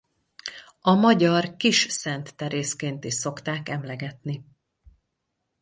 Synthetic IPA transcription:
ɒmɒɟɒrkiʃsɛnt̪ːɛɾeːskeːnt̪iʃso̞kt̪aːkɛmlɛɡɛt̪ni

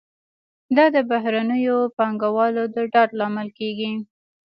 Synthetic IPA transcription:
d̪ɑd̪əbaɦɾanəjopɑŋɡawɑlod̪əɖɑɾlɑmɪlkeɡi

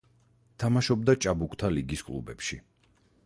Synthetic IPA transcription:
t̪ʰamaʃɔb̚d̪at͡ʃʼabukʰʼt̪ʰaliɡiskʼlˠṵbɛpʃi

